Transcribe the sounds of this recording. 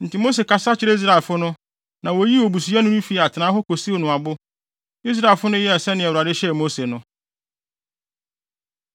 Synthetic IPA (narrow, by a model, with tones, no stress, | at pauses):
n̩˨tʰɪ˨mo˦s̬e˨kʰa˦sa˦t͡ɕʰɪ˨˦ɾe˦i˦s̬ɾa˨lfʊ˦nʊ̃˦ | nã˨wo˨˦ji˦o˨bu˨s̬u˨˦a˦nʊ̃˦nʊ̃˦fi˨a˨tʰɪ˨nãː˨˦ɦɔ˦ko˨si˦o˨nʊ̃˨a˨bʊ˦ | i˦s̬ɾa˦e˨fʊ˦nʊ̃˦jɛ˦ɛ˨sɛ̃˦nɪ̃˨ɛ˨wʊ˨ɾa˨dɪ˦ɕɛ˦˨mo˦se˨nʊ̃˦